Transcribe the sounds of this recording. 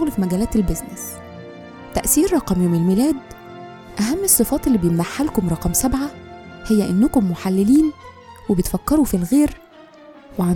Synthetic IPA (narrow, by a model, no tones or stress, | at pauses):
oɣlfimæɡæːlæːt̪elbeznes | t̪æʔsiːɾɾˤɑqɑmjoːmelmiːlæːd̪ | ʔæɦæmːesˤːɨfɑːt̪elːibjenmaħːalkomɾˤɑqɑmsæbʕahejːæʔenːʊkomːoħalːeliːn | webet̪fækːɑɾufilɣeːɾ | weʕa